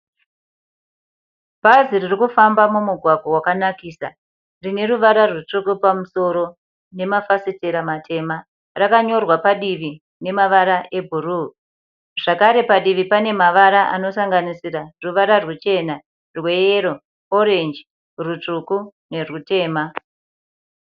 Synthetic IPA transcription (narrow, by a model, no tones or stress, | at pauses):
bʱaziririkufambamumuɡʱwaɡʱowakanakiːsa | rine̞ɾuʋaɾarwut͡ʂukupamuso̞ɾo̞ | ne̞mafasiteɾamatʰe̞ma | rakaɲo̞rwapaɗiʋi | ne̞maʋaɾaʔe̞bʱuru | ʐ̥akaɾe̞paɗiʋipane̞maʋaɾaʔa̰no̞saŋɡanisiraruʋaɾarwet͡ʃe̞na | rwe̞jeɾo̞ | oɾe̞nd͡ʒi | rut͡ʂukune̞rute̞ːma